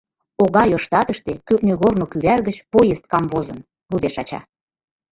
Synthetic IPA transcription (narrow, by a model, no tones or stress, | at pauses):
oɣɑjoʃt̪ɑt̪əʃt̪ekøknøɣornokyβærɣət͡ɕpojest̪̚kɑmvozən | lud̪eʃɑt͡ɕɑ̰